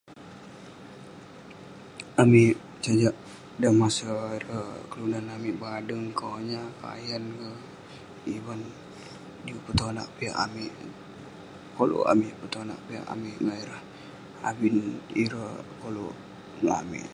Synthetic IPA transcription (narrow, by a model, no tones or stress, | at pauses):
amiʔ | t͡ʃad͡ʒaʔ | damasəiɾəkəlunanamiʔbadəŋkoɲaka̰jankə | iban | diupət̪ona̰ʔpia̰ʔamiʔ | kolo̰ʔa̰mɪʔpət̪ona̰ʔpia̰ʔa̰miʔŋaiɾəh | a̰biniɾəkolo̰ | naa̰mḭʔ